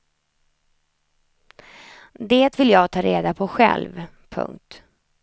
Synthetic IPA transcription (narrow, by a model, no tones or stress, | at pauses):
d̪eːt̪vɪljɑːɡt̪ʰɑːɾḛːd̪apʰɔɧɛ̰lv | pʰɵ̰ŋk̚t̪